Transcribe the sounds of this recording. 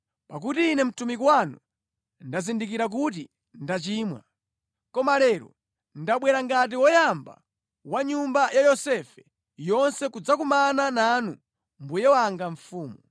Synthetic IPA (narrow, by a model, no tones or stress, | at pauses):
pak̬utiːnɛm̩tumikwanṵ | ndazindik̬iɾak̬ut̬i | ndat͡ʃiːmwa̰ | kɔmalɛɾɔ̰ | ndaɓwɛɾaŋɡat̬iwɔjamba̰ | waɲumbajajɔsɛfɛ | jɔnsɛkud͡zakumanananu | mbujɛwaŋɡaɱfuːmu